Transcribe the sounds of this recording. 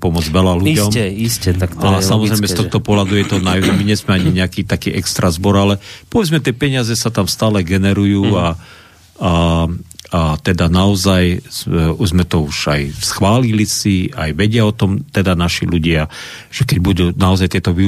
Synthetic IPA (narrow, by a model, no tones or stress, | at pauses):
pɔmɔd͡zʋɛlaluiɟɔmɛiscɛt̪aktasamɔzɾɛjmɛstt̪ɔxt̪ɔpɔɦlad̪ujɛt̪ɔnajɛmiɲɛzmɛaɲiɲɛakiːt̪akiːʔɛkst̪ɾazbɔɾalɛpɔʋɛd͡zmɛt̪ɪɛpɛɲɪazɛsat̪amst̪aːlɛɡɛnɛɾujuːa | a | at̪ɛd̪anaɔzaj | uzmɛt̪ɔuʒ̥ajsxʋaːlilisia̰jʋɛɟɪaɔt̪ɔmt̪ɛd̪anaʃiluɟɪa | ʒ̥ɛkɛɟ̚bud̪uːnaɔzajt̪ɪɛt̪ɔʋi